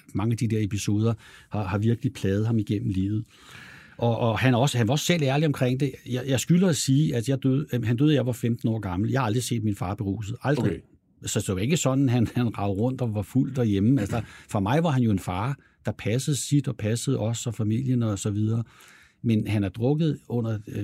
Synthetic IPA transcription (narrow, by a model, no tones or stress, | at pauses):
mɑ̈ŋəæd̥id̥eɐ̰e̝pʰiso̝ːð̞ˠɐhɑ̈hɑ̈ʋiɐɡ̥əlipʰlɛːð̩ˠhɑ̈miɡ̥en̰m̩lḭːʋð̩ˠ | ʔɒ̽ʔɒ̽hænɒ̽shænʋɑ̈̽sːel̰æɐliɒ̽mkʰʁeŋ̰d̥e̝jajɑ̈ɪsɡ̥ylɐːsiːæsjɑ̈ɪd̥øðˠɦænd̥øð̰ˠjɑɪʋɑ̈femd̥n̩ɒ̰ːɡ̥ɑ̈ml̩jɑhɑ̈ɑ̈ld̥ʁise̝̰ːd̥minfɑ̈ːb̥e̝ʁṵːsð̩ˠɑ̈ld̥ʁi | sɒ̽d̥eɑe̝ɡ̥əsɒ̽dn̩ɦænhænʁɑ̈ʊ̰ʁɔ̽n̰d̥ɒ̽ʋɑ̈ful̰d̥ɒjemælsɐfɒ̽mɑ̈ɪʋɑ̈ɦænjo̝e̝nfɑ̈ː | d̥ɑ̈pʰæsəð̩ˠsid̥ɒ̽pʰæsəð̩ˠʔɒ̽sɒ̽fæmil̰jənɒ̽sɒ̽ʋið̞ˠɐː | menɦænæɐd̥ʁɔ̽ɡ̥ð̩ˠɔ̽n̰ɐ